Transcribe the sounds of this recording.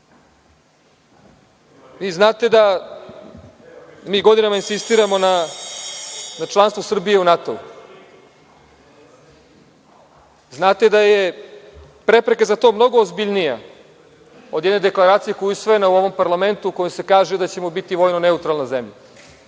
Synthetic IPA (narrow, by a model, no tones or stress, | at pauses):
ʋiːznaːt̪e̞d̪a | miːɡo̞d̪inamainsist̪iːɾamo̞na | nat͡ʃlˠanst̪vosr̩bije̞unat̪o̞̰ṵ | znaːt̪e̞d̪aje̞ | pɾe̞pɾekazat̪o̞ːmno̞ɡo̞ːzbiʎnija̰ | od̪je̞d̪ned̪e̞klˠaɾaːt̪sijeko̞juusʋo̞jenauo̞ʋo̞mpaɾlˠame̞nt̪uko̞jose̞kaːʒed̪at͡ɕe̞mobit̪iʋo̞jnone̞ut̪ɾalˠnazemʎa